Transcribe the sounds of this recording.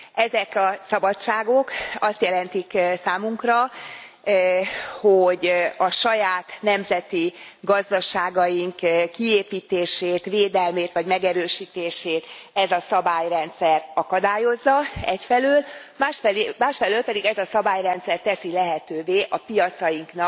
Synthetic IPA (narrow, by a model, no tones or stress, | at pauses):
ɛzɛkɒsɒbɒt͡ʃːaːɡo̞kɒst̪jɛlɛnt̪iksaːmuŋkrɒ | hoɟɒʃɒjaːt̪nɛmzɛt̪i | ɡɒzd̪ɒʃaːɡɒjiŋkkːieːpiːt̪eːʃeːt̪ʋeːd̪ɛlmeːt̪ʋɒɟmɛɡɛɾøːʃiːt̪eːʃeːt̪ɛzɒsɒbaːjrɛnt̪sɛrɒkɒd̪aːjo̞zːɒɛcfɛløːlmaːʃɛmaːʃfɛløːlpɛd̪iɡɛzɒsɒbaːjrɛnt̪sɛrt̪ɛsilɛɦɛt̪øːveːʔɒpijɒt̪sɒjiŋknɒk